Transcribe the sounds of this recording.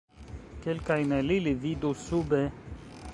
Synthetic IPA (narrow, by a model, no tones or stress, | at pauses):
kelkajnelilivid̪usube